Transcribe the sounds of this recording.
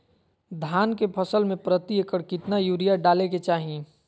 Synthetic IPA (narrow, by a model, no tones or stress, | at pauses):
d̪ʱaːnkepʰəsəlmẽpɾət̪iekəɽkɪt̪najuːɾijaɖaːleket͡ʃaːɦĩ